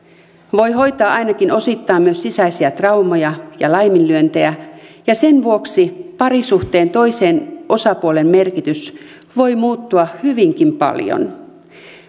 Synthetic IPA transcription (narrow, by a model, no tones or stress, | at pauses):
ʋo̞jɦo̞jt̪ɑːʔɑjnɑkino̞sit̪ːɑːmmyøsːisæisiæt̪rɑumojɑjɑlɑjmillyønt̪eæjɑse̞nʋuoksipɑɾisuht̪eːnt̪o̞jseːnʔo̞sɑpuolemːe̞rkit̪ys | ʋo̞jmuːt̪ːuɑhyʋiŋk̟impɑ̰ljo̰n